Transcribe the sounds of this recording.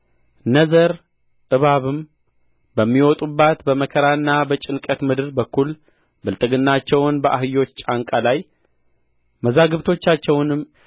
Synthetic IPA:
nəzəɾ | ʔɨβaβɨm | bəmːiwɔt̪ʼubːat̪bəməkʰəɾanːabət͡ʃʼɪnkʼət̪mɨd̪ɨɾbəkʰːul | bɨlt̪ʼɨɡɨnːat͡ʃːɛwnbəʔaɦɨjo̞t͡ʃːt͡ʃʼaŋkʼalaj | məzaɡɨβt̪ʰo̞t͡ʃːat͡ʃːɛwnɨm

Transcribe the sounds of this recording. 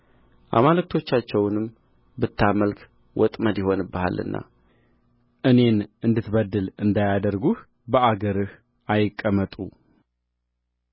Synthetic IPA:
ʔa̰malɨk̚t̪ʰo̞t͡ʃːat͡ʃːɛwnɨm | bɨt̪ːaməlk | wɔt̪ʼməd̪jɪho̞nbːaha̰lʔɨ̰nːa̰ | ʔɨne̞nɨnd̪ɨt̪bəd̪ːɨlɨnd̪ajad̪əɾɡuh | bəaɡəɾɨh | ʔajɪkʼːəmət̪ʼu

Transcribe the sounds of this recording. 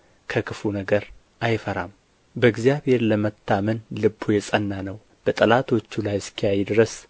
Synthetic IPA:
kʰəkʰɨfunəɡəɾ | ʔajfəɾam | bəɨɡzijaβhe̞ɾləmət̪ʰːamənlɨbːojɛsʼənːanəw | b̥ət̪ʼəlat̪ʰo̞t͡ʃːulajskʰijajd̪ɾəs

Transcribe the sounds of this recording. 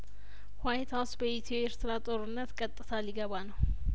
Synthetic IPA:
hwajt̪ʰawsbəʔit̪ʰoɛɾt̪ʰɨɾat̪ʼo̞ɾɨnːət̪kʼət̪ʼːɨt̪ʰaliɡəβanəw

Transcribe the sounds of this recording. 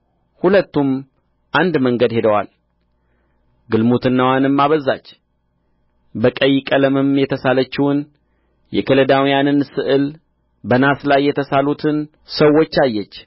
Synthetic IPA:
hulət̪ːum | ʔand̪məŋɡəd̪he̞d̪əwa̰l | ɡɨlmut̪ʰɨnːawanɨmːaβəzːa̰t͡ʃː | bəkʼəjikʼələmɨmjɛt̪ʰəsalət͡ʃːɪwɨn | jɛ̰kʰələd̪awijanɨnsɨʔɨl | bənaslajːɛt̪ʰəsalut̪ʰɨn | səwːo̞t͡ʃːajːɛt͡ʃː

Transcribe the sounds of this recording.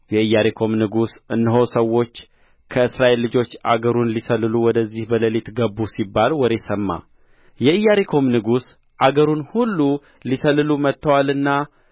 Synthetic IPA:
jɛɨjːaɾekʰo̞mnɨɡusʔɨnːɨɦo̞səwo̞t͡ʃː | kʰəɨsɾaʔe̞lːɨd͡ʒo̞t͡ʃːʔa̰ɡəɾunlisəlːɨluwɔd̪əzːihbələlit̪ɡəbːusibːalwɔɾe̞səmːa̰ | jɛɨjːaɾekʰo̞mnɨɡus | ʔaɡəɾunhulːu | lisəlːɨlumət̪ʰːəwalɨnːa

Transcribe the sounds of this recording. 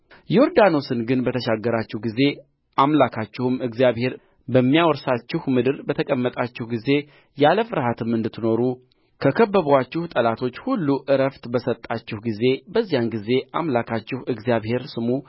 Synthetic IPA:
jɛo̞ɾd̪ano̞sɨnɡɨnbət̪ʰəʃaɡːəɾat͡ʃːɪhɡize̞ | ʔamlakʰat͡ʃːɪhɨmɨɡzijaβhe̞ɾ | bəmːijawɔɾsat͡ʃːɪhmɨd̪ɨɾbət̪ʰəkʼəmːət̪ʼat͡ʃːɪhɡize̞ | jaləfɨɾɦat̪ʰɨmɨnd̪ɨt̪ʰːɨno̞ɾu | kʰəkʰəbːəβwat͡ʃːɪht̪ʼəlat̪ʰo̞t͡ʃːhulːuʔɨɾəft̪bəsət̪ʼːat͡ʃːɪhɡize̞bəzːijanɡize̞ʔamlakʰat͡ʃːɪhɨɡzijaβhe̞ɾsɨmu

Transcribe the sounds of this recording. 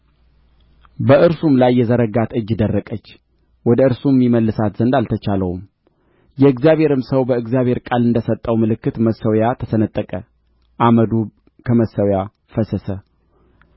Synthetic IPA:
bəɨɾsumlajːɛzəɾəɡat̪ʰɨd͡ʒːɪd̪ərːəkʼət͡ʃː | wɔd̪əɨɾsumːiməlːɨsat̪z̥ənd̪alt̪ʰət͡ʃaləwum | jɛɨɡzjaβhe̞ɾɨmsəwbəɨɡzjaβhe̞ɾkʼalɨnd̪əsət̪ʼːəwmɨlɨkːɨt̪məsəwjat̪ʰəsənət̪ʼːəkʼə | ʔaməd̪u | kʰəməsːəwja | fəsəsə

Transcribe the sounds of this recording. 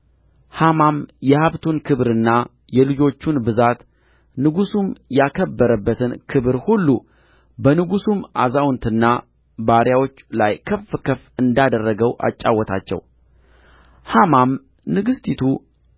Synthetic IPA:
hamamjɛhaβt̪ʰunkʰɨβɾɨnːa | jɛlɨd͡ʒo̞t͡ʃːunbɨzat̪ | nɨɡusumjakʰəbːəɾəbːət̪ʰɨnkʰɨβɾhulːu | bənɨɡusumʔa̰zawnt̪ʰɨnːa | baɾjawo̞t͡ʃːlajkʰəfːkʰəfɨnd̪ad̪ərːəɡəwʔa̰t͡ʃʼːawːɔt̪ʰa̰t͡ʃːɛ̰w | hamam | nɨɡɨst̪ʰit̪ʰu

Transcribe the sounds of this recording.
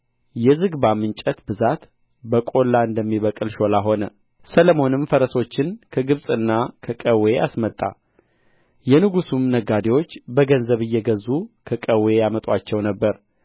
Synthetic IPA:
jɛzɨɡbamɨnt͡ʃʼət̪bɨzat̪ | bəkʼo̞lːaɨnd̪əmːiβəkʼɨlʃo̞laɦo̞nə | sələmo̞nɨmfəɾəso̞t͡ʃːɪnkʰəɡɨβsʼɨnːakʰəkʼəweʔasmət̪ʼːa̰ | jɛnɨɡusumnəɡad̪ewo̞t͡ʃːbəɡənzəβɨjːɛɡəzːukʰəkʼəwe̞jamət̪ʼwat͡ʃːɛwnəbːəɾ

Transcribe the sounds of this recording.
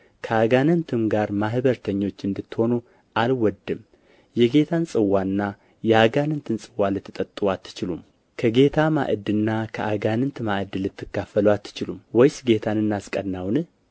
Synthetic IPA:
kʰəaɡanɨnt̪ʰɨmɡaɾmahβəɾt̪ʰəɲːo̞t͡ʃːɨnd̪ɨt̪ːho̞nu | ʔalwɔd̪ːɨm | jɛɡe̞t̪ʰansʼɨwːanːa | jɛaɡanɨnt̪ʰɨnsʼɨwːalɨt̪ːɨt̪ʼət̪ʼːɨwat̪ʰːɨ̥t͡ʃɪlum | kʰəɡe̞t̪ʰama̰ʔɨd̪ɨnːakʰəʔaɡanɨnt̪maʔɨd̪ɨlɨt̪ːɨkːafːəlwat̪ʰːɨ̥t͡ʃɪlumwɔjsɡet̪ʰanɨnːaskʼədnawnɨ

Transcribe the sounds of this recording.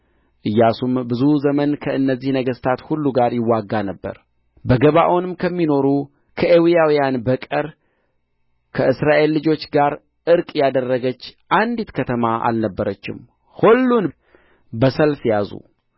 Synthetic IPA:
ʔɨjːasumbɨzuzəmənkʰəɨnːəzːihnəɡəst̪ʰat̪hulːuɡaɾjɪwːaɡːanəbːə̰ɾ | bəɡəβaʔonɨmkʰəmːino̞ɾu | kʰəʔewijawijanbəkʼəɾ | kʰəʔɨsɾaʔe̞lːɨd͡ʒo̞t͡ʃːɡaɾ | ʔɨɾkʼjad̪ərːəɡət͡ʃːʔand̪it̪kʰət̪ʰəmaʔa̰lnəbːəɾət͡ʃːɪ̰m | hulːun | bəsəlfjazṵ

